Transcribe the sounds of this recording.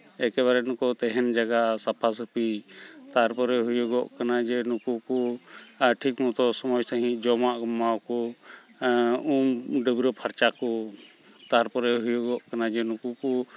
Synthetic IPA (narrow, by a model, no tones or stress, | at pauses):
ɛkɛβaɾɛnũkɔt̪ɛɦɛnd͡ʒaɡasapʰas̬əpit̪aɾpɔɾɛɦujɔɡɔʔkanad͡ʒɛnukuku | ʈʰikmut̪ɔsɔmɔjsaɦĩd͡ʒɔmaʔɡɔmawkɔ | umɖəbɾɔpʰaɾt͡ʃakɔ | t̪aɾpɔɾɛɦujɔɡɔʔkanad͡ʒɛnukuku